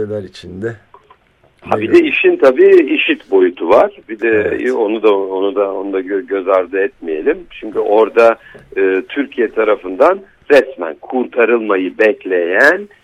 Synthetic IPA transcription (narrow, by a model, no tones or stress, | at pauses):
elʲæɾit͡ʃʰind̪ɛ | habid̪ɛiʃint̪ʰabiːiʃit̪bo̞jut̪ʰuvaɾ̥bid̪ɛo̞nud̪aonud̪ao̞nud̪aøɟø̞zaɾd̪ɯɛt̪mije̞̰lʲimʃʰimcʰyʔo̞ɾd̪a | ɯːt̪ʰyɾcʰijɛt̪ʰaɾafɯnd̪an | ɾɛsmæ̰nkʰuɾt̪ʰaɾɯlˠmajɯbɛclʲe̞jæn